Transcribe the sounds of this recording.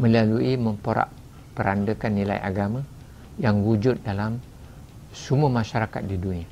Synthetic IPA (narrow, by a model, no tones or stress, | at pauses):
mə̃laluimə̃mpoɾa̰ʔ | pəɾandəkanːila̰jʔa̰ɡamã | jaŋwud͡ʒʊt̪̚dalam | sumuamãʃaɾaka̰t̪̚didunia